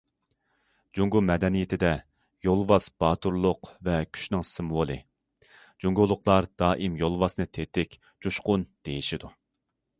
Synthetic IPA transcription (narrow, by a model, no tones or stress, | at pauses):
d͡ʒuŋɡumɛd̪ɛnijit̪ʰɪd̪ɛ | jolˠwɑsb̥ɑːt̪ʰuɾlˠʊqvɛkʲʰy̥ʃnɪŋsɨmwolˠɨ | d͡ʒuŋɡulˠːʊqlˠɑɾd̪̥ɑːʔimjolˠwɑsnɨt̪ʰet̪ɪkʲ | d͡ʒuʃqʊnd̪̥ejiʃid̪u